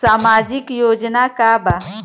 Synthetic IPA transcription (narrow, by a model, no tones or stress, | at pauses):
saːmaːd͡ʒɪkjoːd͡ʒnakaba